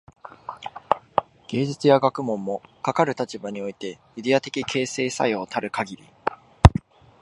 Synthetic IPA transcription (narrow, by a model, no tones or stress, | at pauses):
ɡ̥e̞ːd͡ʑit͡sɨjaɡakɯ̟mõ̞mːo̞kakaɾɯ̟t̪at͡ɕibaɲ̟io̞it̪e̞ | id̪e̞at̪e̞kʲikʰe̞ːse̞ːsa̰io̞t̪ʰaɾɯ̟kaɡʲiɾʲi